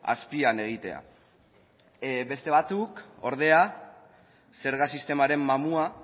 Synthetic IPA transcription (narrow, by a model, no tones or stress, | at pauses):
a̰spiane̞ɣ̞it̪e̞̰a̰ | be̞st̪e̞βat͡suko̞ɾð̞e̞a | se̞ɾɣasist̪e̞maɾe̞mːamua